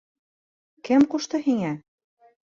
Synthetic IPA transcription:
kɘ̆mkuʃt̪ɤ̆hiŋæ

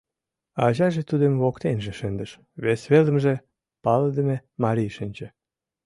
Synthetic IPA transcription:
ɑʑɑʒĕt̪ud̪emβokt̪enʒĕʃə̆nd̪ə̆ʃ | βesβelə̆mʒĕ | pɑləd̪ə̆memɑɾʲijʃənʲt͡ɕĕ

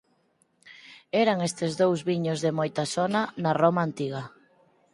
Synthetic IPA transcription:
ɛɾaŋest̪ezðowzβiɲozðemojt̪asonanaromaːnt̪iɣ̞ɐ

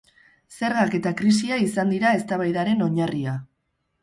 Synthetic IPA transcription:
se̞ɾɣake̞t̪akɾis̬iaisand̪iɾae̞st̪aβ̞ajðaɾe̞no̞ɲaria

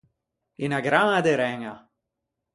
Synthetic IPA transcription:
inaɡɾanad̪eɾɛŋa

